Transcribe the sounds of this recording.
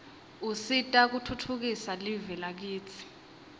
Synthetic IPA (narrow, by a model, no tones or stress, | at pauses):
usitʼak̬utʰutʰuk̬isalivɛlak̬iːt͡sʰi̥